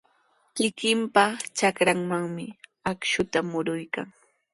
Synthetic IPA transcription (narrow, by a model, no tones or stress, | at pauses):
kɪkɪmpat͡ʃakɾaŋmaŋmɪakʃʊt̪amʊɾʊjkaŋ